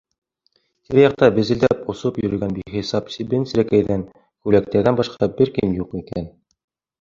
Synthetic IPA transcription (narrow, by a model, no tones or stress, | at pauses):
t̪iɾjɑq̚t̪ɑbɘ̆zɘ̆ld̪æpŏsopjɵ̆ɾɘ̆ɡænbiχisɑpsʲibɘnsɘ̆ɾækæjðæŋ | kʉlæk̚t̪æɾðænbɑʃqɑbɘɾkɘnjuqikæn